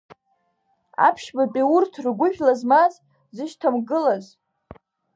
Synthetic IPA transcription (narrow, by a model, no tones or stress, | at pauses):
a̰pʰʃbapʼiurtʰrɡʷʊʒᶣlazmaz | zɨʃtʰamɡɨlaz